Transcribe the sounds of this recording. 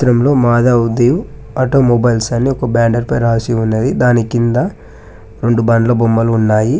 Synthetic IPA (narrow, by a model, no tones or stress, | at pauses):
ɾɐmlo̞ːmaːd̪aud̪iʋu | ɐʈoːmɔbɐjlsɐnːiɔkɐbaːɳɖɐɾpɐjɾaːsiunːɐd̪id̪aːnikind̪ɐ | ɾe̞ɳɖubɐnlɐbomːɐlunːaːji